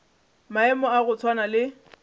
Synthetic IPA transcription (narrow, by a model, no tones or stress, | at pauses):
maɛmɔaɣʊt͡sʰwanalɪ